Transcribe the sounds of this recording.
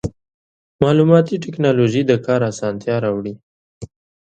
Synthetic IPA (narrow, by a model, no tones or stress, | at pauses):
mɑlumɑt̪iʈɪknɑloʒid̪əkʰɑɾasɑnt̪ʰjɑɾɑwɽi